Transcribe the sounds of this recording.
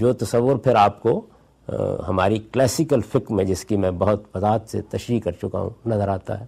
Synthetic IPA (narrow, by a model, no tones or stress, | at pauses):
d͡ʒoːt̪ɐsəʋːʊɾpʰɪɾaːpko | ɦɐmaːɾiklɛːsɪkəlfɪkmẽd͡ʒɪskimɛ̃ːbɐɦʊt̪bɐzaːət̪sḛt̪ɐʃɾiːkːɐɾt͡ʃʊka̰ɦṵ̃nɐzəɾaːt̪a̰ɦɛː